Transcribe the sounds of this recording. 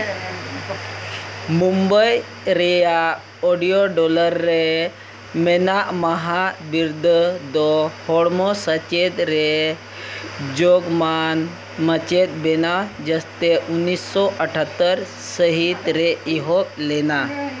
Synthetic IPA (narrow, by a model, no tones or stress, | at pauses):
mumbəj | ɾeja | oɽijoɖɔləɾːe | menaʔməɦabiɾd̪ʱd̪ɔhoɽmosət͡ɕed̪ɾe | d͡ʒoɡman | mət͡ʃet̪̚benad͡ʒəst̪eʔunːisːɔʔəʈʰat̪ːəɾ | səɦit̪ɾeiɦoklena